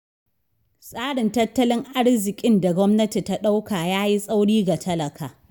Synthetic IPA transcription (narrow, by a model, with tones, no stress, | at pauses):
sʼaː˦ɽɪ˨ntɐ˦tːɐ˦lɪ˦ŋʔa˦ɽzɪ˨kʲʼɪ˦nda˨ɡʷɔ˦mnɐ˦ti˨ta˦ɗa˦wkaː˨jaː˦ji˦sʼa˦wɽiː˦ɡa˨tʰɐ˦lɐ˨kʰaː˨